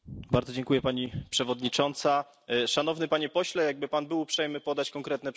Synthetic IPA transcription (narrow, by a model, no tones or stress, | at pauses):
baɾd̪zɔd͡ʑɛŋkujɛpaɲipʂɛvɔd̪ɲit͡ʂɔnt̪sa | ʂan̪ɔvnɘpaɲɛpɔɕlɛjaɡ̚bɘpanbɘwupʂɛjmɘpɔd̪at͡ɕkɔŋkɾɛt̪nɛ